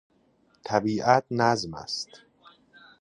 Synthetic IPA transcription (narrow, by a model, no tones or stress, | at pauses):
t̪ʰæbiːʔæt̪̚ʰnæzmæ̰st̪